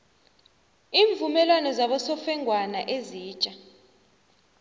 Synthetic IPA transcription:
iːɱvumɛlwanɔzaɓɔsɔfɛŋʱwanaʔeziːt͡ʃʼa

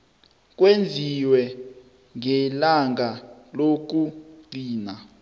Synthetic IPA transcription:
k̬ʼwend͡zʱiwɛ | ŋɛlaŋɡʱalok̬uɡ͡ǀiːna

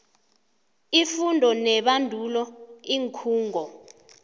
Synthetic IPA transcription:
ifundʱɔnɛɓandʱulɔiŋkʰuːŋʱɔ

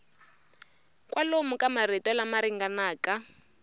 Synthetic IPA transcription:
kʼwʔalomukamaritɔlamaɾiŋɡanaːka

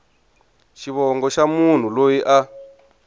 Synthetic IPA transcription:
ʃiβɔŋɡɔʃamun̤ulojiʔa

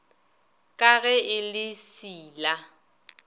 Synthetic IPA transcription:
kʼaɣɛɪlɪsiːla

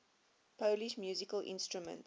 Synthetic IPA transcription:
pʰoʊliʃmjuːzikəlʔɪ̰̃nstɹumə̰̃nt

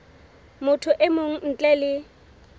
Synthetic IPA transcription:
mʊtʰʊʔɪmoŋ̩n̩t͡ɬʼɛlɪ

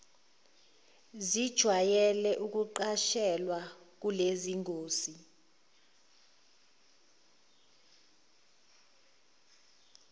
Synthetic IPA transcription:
zid̥ʒ̥ʱwajɛlɛʔuk̬uǃaʃɛlwak̬uleziŋoːsi

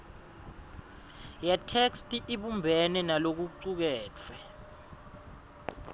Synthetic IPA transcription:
jɛtʰekstʼiʔiɓumbʱɛnɛnalok̬uǀuk̬ɛːt͡fʰwɛ

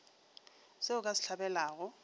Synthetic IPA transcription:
seʊkʼasɪ̥ɬʰabɛlaːɣʊ

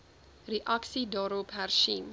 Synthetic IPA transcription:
riʔaksidɑːɾɔpɦærʃin

